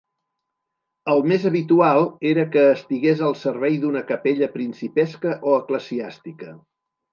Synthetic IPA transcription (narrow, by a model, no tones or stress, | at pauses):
əlˠmezəβit̪ualˠeɾəkəːst̪iɣezəlˠsəɾβɛjðunəkəpeʎəpɾinsipɛskəʔoəkləziast̪ikə